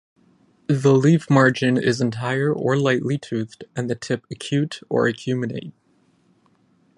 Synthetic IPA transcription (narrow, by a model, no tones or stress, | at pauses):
ðəlivmɑɹd͡ʒɨ̃nɪ̰zɨ̃n̩tʰaɪə˞ʔə˞laɪʔlitʰʉθd̥ɨ̃nðɨtʰɪpɨkʰj̥ʉɾə̰˞ɨkʰj̥ʉmɨlḛɪt̚